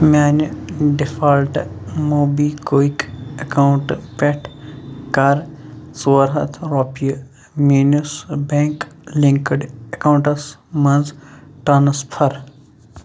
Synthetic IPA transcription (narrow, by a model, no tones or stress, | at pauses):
maːnɖifaːlʈmoːbikoːikɐkauɳʈpeʈʰkɐɾsuɾɦɐ̰t̪ʰɾoːpiə | miːnusbeːŋklĩŋkəɖɐkauɳʈɐsmɐnzʈɐnɐspʰɐɾ